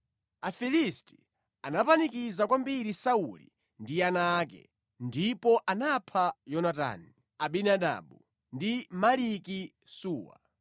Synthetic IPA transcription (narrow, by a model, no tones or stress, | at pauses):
afilisti̥ | anapanikizakwambiɾisaṵlḭ | ndianaːkɛ̰ | ndipɔʔanapʰajɔnata̰ːni | aɓinaɗa̰ːɓu | ndimaliki | suːwa̰